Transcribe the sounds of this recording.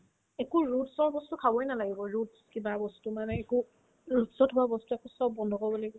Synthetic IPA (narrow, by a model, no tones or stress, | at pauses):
ekuɹutsɔɹbɔstukʰabɔjnalaɡibɔɹutskibabɔstumanɛːku | ɹutsɔtɦʊwabɔstuɛkusɔb̚ːɔndʱɔkɔbɔloɡɔ